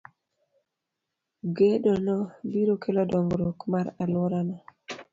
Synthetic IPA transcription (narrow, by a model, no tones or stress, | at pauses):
ɡedɔnɔbiɾokʰelɔdɔŋɡɾokmaɾalɔɾana